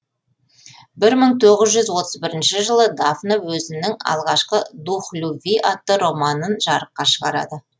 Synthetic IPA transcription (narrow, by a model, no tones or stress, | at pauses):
bɪɾməɴt̪ʰo̞ʁəzʒʏzwo̞t̪əzbɪɾɪnʃɪʒəlˠəd̪afnawɵzɪnːɪŋɑ̰lˠʁɑʃqəd̪uχlʲuvʲijʔɑt̪ːəɾo̞mɑnənʒɑɾəqːɑʃəʁɑɾɑ̰d̪ə